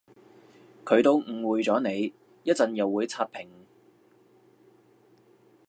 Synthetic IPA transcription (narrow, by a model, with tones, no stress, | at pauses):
kʰɵ˨˧ɥt̪o˧wŋ̩˨˩wuː˨˩jt͡sɔː˨˥ne˨˧j | jɐ˥t̚t͡sɐ˨˧njɐ˨wːuː˨˧jt͡sʰaː˧t̚pʰɪ˨˩ŋ